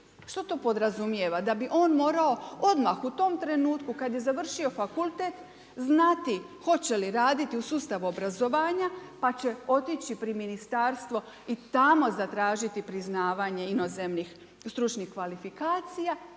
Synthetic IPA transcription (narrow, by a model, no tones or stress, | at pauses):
ʃt̪ot̪o̞ːpo̞d̪ɾazumje̞ʋad̪abiʔo̞ːnmo̞ːɾao̞o̞d̪maxut̪o̞mt̪ɾe̞nuːt̪kukad̪je̞zaʋr̩ʃio̞fakulˠt̪et̪ | znat̪i | xo̞t͡ɕe̞liɾaːd̪it̪iusuːst̪aʋuobɾazo̞ʋaːɲapat͡ɕe̞o̞t̪it͡ɕipɾiminist̪aːɾst̪ʋo̞ | it̪amo̞zat̪ɾaːʒit̪ipɾiznaːʋaːɲe̞ino̞zemnix | st̪ɾut͡ʃnixkʋalifikaːt̪sija